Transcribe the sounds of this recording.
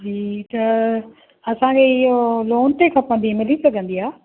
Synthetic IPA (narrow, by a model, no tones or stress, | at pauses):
d͡ʑiːt̪ɐ | ɐsãkʰeɪɦoloːnt̪ekʰãːpə̃nd̪imɪlisɐɡʱə̃nd̪iaː